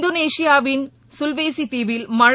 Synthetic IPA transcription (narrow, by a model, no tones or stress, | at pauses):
d̪oːneːʂijaːʋin | sulʋeːsit̪iʋilmɐɻ